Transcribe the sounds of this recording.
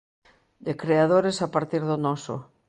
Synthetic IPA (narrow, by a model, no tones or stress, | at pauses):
d̪ekɾeað̞oɾesapaɾt̪iɾðonɔso̰